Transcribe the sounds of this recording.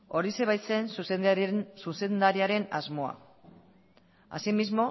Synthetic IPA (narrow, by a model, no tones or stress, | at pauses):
o̞ɾise̞βajt͡se̞nsusesuse̞nd̪aɾiaɾe̞nazmo̞a̰ | a̰simizmo̞